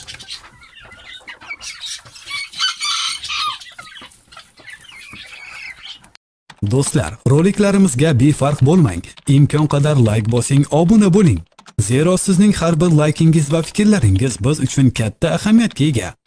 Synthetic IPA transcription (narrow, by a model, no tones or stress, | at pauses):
d̪ost̪la̰ɾɾolˠɪkʲlaɾɪmɪzɡʲabe̞faɾqbolˠma̰ŋɪmkʰʲɒnqʰɑd̪aɾlˠajkʲbɒsɪŋɒbʊnabolɪŋze̞ɾɒsɪznɪŋhaɾbɪɾlˠajkʲɪŋɪzvafɪ̥kʲɾlaɾɪŋɪzbɪzʊt͡ʃʰʊnkʲʰat̪ʰːaːhamijat̪̚kʲae̞ɡʲa̰